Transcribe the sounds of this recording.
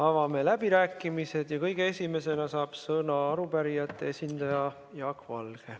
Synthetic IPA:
ɑvɑme̞læb̥iɾæːkːˑimise̞d̪̥jɑkɤjɡ̥e̞esʲime̞se̞nɑsɑːb̥sɤnɑɑɾupæɾijɑt̪ˑːeesʲind̪̥ɑjɑ | jɑɑkvɑ̰lɡ̥e̞

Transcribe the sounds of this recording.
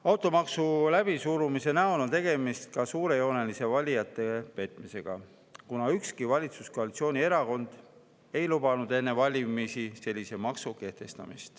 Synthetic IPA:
ɑwt̪ˑo̞mɑksulæb̥isuːɾumise̞næono̞nt̪e̞ɡ̥e̞mist̪̚kɑsuːɾe̞jo̞ne̞lise̞vɑlʲijɑt̪ːˑe̞pe̞t̪ːˑmise̞ɡ̥ɑ̰ | kunɑykskivɑlʲit̪susko̞ɑlit̪sio̞ːnʲie̞ɾɑko̞nd̪̥ | e̞jlub̥ɑnud̪e̞nːe̞vɑlʲimisise̞lʲːise̞mɑksuke̞ht̪e̞st̪ɑ̰mḭst̪

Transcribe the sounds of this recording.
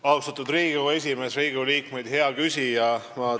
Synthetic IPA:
ɑust̪ɑt̪ːˑud̪riːɡ̥ue̞s̬ʲime̞sɾiːɡuliːkme̞jd̪he̞ɑkysʲijɑmɑ

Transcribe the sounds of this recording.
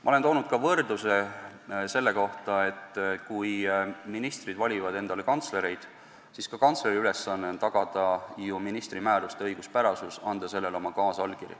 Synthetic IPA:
mɑ̰ole̞nt̪o̞ːnud̪̥̚kɑvɤrd̪use̞ | se̞lːe̞ko̞ht̪ɑe̞t̪ːkujminist̪rid̪̥vɑlʲivɑd̪e̞nd̪̥ɑle̞kɑnt̪sle̞ɾe̞jd̪̥ | siskɑkɑnt̪sleɾiyle̞sːɑnːeont̪ɑɡ̥ɑd̪̥ɑjuminist̪rimæːɾust̪eɤjɡ̥uspæɾɑsusɑnd̪̥ɑse̞lːe̞lo̞mɑkɑːsɑlkiɾjḭ

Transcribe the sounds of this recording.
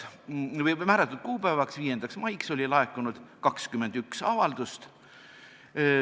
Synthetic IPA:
vjmæːɾɑt̪ːˑud̪̥̚kuːpæːvɑksviːje̞nd̪̥ɑksmɑjkso̞lʲilɑekːˑunud̪̥kɑkskymːe̞nd̪̥yksɑvɑld̪̥ust̪

